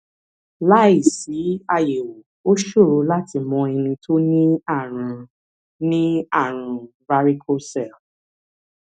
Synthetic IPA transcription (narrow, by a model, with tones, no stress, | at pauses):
la˦i˦˨si˨˦a˧je˨wo˨ | o˦ʃo˦˨ɾo˨˦la˦ti˧mɔ̃˧ɛ˧nĩ˧to˦nĩ˦a˦˨ɾ̃ũ˨˧ | nĩ˦a˦˨ɾ̃ũ˧ | va˦ɾi˦kʰo˦sɛ˦˨lf